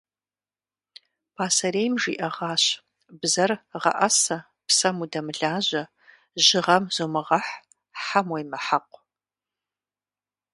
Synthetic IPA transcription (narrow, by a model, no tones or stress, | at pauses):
pʰaːsɐɾejmʒḭʔɐʁɑːɕ | bzɐrʁɐ̰ʔɐsɐ | psɐmudɐmɨɮaːʑɐ | ʒɪʁɐmz̥umɨʁɐħ | ħamwɐjmɐħaqʷ